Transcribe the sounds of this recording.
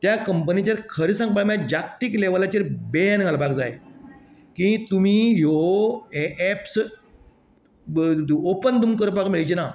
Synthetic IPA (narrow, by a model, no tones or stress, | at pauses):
t̪jakəmpənit͡ɕaɾkʰəɾisãŋɡ̚paɭmjãd͡ʑak̚t̪iːkleʋlat͡ɕeɾbejanɡʱalpakd͡zaj | kĩt̪um̤iːɦo | ɛps | opənd̪umkəɾpakmiɭajt͡ɕina